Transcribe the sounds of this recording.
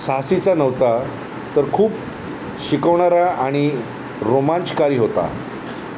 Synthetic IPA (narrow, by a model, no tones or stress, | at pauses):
sasit͡sanəʋt̪a | t̪əɾkʰuːp | ɕikəʋɳaɾaaɽ̃i | ɾomãnt͡ɕkaɾiːɦot̪a̰